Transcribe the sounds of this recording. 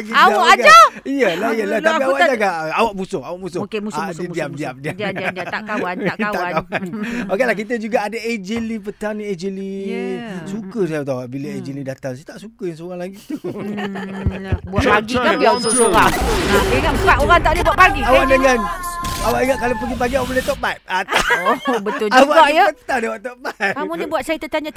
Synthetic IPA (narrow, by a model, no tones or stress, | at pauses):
aɡiaakd͡ʒaijəlajəlaapiawwaʔd͡ʒaɡaawaʔ̚musʊŋawaʔmusodədiam̚diam̚dia | aaawanokelahkit̪̬əd͡ʒuɡaːdaed͡ʒəlipət̪anĩed͡ʒəli | sukəs̬ajat̪awaʔbiləed͡ʒəlidat̪aŋsajat̪aʔsukəjaŋsoɣaŋlaɡit̪u | buaʔpaɡikabiaosoaŋəŋasəbaʔoɾaŋt̪aʔdebuaʔ̪̚paɡiawaʔdəŋanawaʔiŋaʔ̪̚kalopəɡipaɡiawaʔbolɛt̪ɔʔbat̪̚at̪aobəʊawaapət̪ahdawat̪ɔʔbat̪amunibuat̪̚sajat̪ət̪aɲa